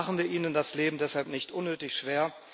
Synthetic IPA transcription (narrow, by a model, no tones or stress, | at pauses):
aχn̩viːɐʔiːnəndasleːbm̩dɛshalpnɪçtʔʊnːøːtɪçʃv̥eːɐ